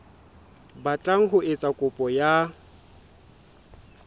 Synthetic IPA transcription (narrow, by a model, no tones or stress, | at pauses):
bat͡ɬʼaŋ̩ɦʊʔɪt͡sʼakʼʊpʼɔja